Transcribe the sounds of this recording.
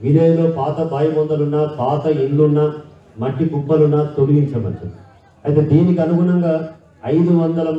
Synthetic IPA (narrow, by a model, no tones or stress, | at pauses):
ʋinɐːjɐloːpʰaːt̪ɐbaːjɐmɔnd̪ɐlunːɐpʰaːt̪ɐilːunːɐ | mɐʈːikupːɐlunːɐt̪o̞liɡiɲt͡ʃɐmɐ̰nʈṵi | ɐjt̪e̞ːd̪iːnikiɐnuɡunɐŋɡaː | ɐjd̪uʋɐnd̪ɐlɐm